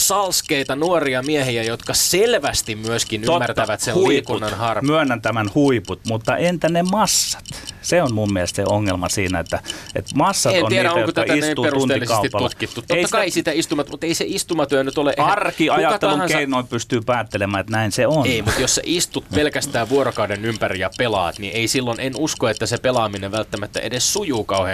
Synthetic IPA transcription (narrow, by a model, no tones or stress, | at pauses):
sɑlskeit̪ɑnuoriɑmiæhiæjot̪kɑselʋæst̪immyøskinymːært̪æʋæt̪selhuipunːɑnhɑrmyænːænt̪æmænhuiput̪mut̪ːɑʔent̪ænemɑsːɑ̥t̪seonmummiælest̪seoŋːelmɑsiːnæet̪ːæḛt̪mɑsːɑenonæiːæoŋjokot̪æɑæisetːiupetuuneːilːiskeɑsuitpɑlut̪kit̪ːuoetisːɑikɑeisit̪æist̪umɑt̪mut̪eiseist̪umɑt̪yænyt̪oleʔeɑrkiɑjɑtɑt̪ːeluŋɑkseinoipyst̪yːpæːt̪ːelemæːet̪næinseoneimut̪jossḛʔist̪ut̪pelkæst̪æːʋuoɾokɑudenympærijɑpelɑ̰ːt̪niʔeisilːonenuskoet̪ːæsepelɑːmineʋælt̪ːæmæt̪ːæ̰ʔedessujuːkɑuhe